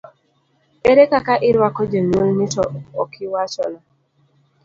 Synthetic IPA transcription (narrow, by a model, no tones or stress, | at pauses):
eɾekakaʔɪɾwakɔd͡ʒeɲwolnɪtɔɔkʰɪwat͡ʃɔ̰na